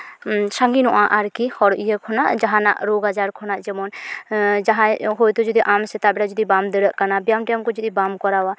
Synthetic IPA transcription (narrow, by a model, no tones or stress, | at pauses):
saŋɡinɔʔãʔaɾkihɔɾʔijɛkʰɔnaʔd͡ʒaɦãna̰ʔɾoɡad͡ʒaɾkʰɔnaʔd͡ʒɛmɔn | d͡ʒaɦãɦojt̪ud͡ʒɔd̪iʔamsɛt̪abɛɾad͡ʒɔd̪ibamd̪əɽəʔkanabjamʈjɛmkɔd͡ʒud̪ibamkɔɾawa